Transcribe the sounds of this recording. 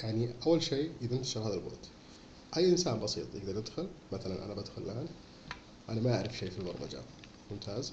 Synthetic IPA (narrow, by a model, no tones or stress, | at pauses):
jaʕniʔawːalʃeːʔɪðɪnt̪ḁʃɑɾhaːðalbo̰ːt̪ | ʔajːʔɪnsaːnbɑsḭːt̪ˤjɪ̰ɡd̪ɑɾˤjɪd̪xʊlmaθalanʔa̰nabad̪xʊlʔaːn | ʔanamaʔaʕɾɪfʃeːfilbɑ̰ɾˤma̰d͡ʒa̰ | mʊmt̪ʰaːz